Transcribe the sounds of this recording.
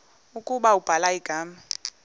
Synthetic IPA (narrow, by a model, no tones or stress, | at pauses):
ukʼuɓaub̥ʱalaiɡ̥ʱaːma